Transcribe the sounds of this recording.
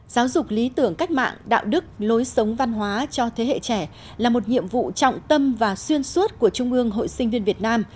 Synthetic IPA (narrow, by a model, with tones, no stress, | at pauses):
zaː˨˦wzʊ˨˩k͡p̚li˨˦t̪ɨ˧˩əŋka˦˥k̟̚ma̰ː˧˨ŋɗa̰ː˧˨wɗɨ˦˥k̚lo˨˦jsə˨˦wŋ͡mva˧nɦwaː˨˦t͡ɕɔ˧t̪ʰe˨˦ɦḛ˧˨t͡ɕɛ˧˩ | laː˨˩mo˨˩t̚ɲḭ˧˨əmvṵ˧˨t͡ɕɔ̰˧˨wŋ͡mt̪ə˧mvaː˨˩swi˧ənswu˦˥t̚ku˧˩ət͡ɕʊ˧ŋ͡mʔɨ˧əŋɦo̰˧˨jsï˧ŋ̟vi˧ənvi˨˩ət̚naː˧m